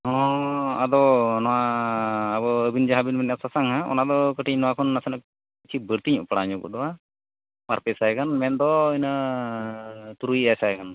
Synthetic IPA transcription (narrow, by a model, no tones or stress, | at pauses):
ɦɔ̃ad̪ɔnɔwaː | bɔəbind͡ʒaɦabinmɛnjasasaŋɦaʔɔ̰nad̪ɔkəʈiɲnɔwakʰɔnːasɛnək̚ | it͡ʃʰibəɾt̪iɲɔ̰ʔpaɽaɲɔkɔ̰ʔd̪ɔwa | maɾpɛsajkanmɛnd̪ɔəna | t̪uɾujasajkan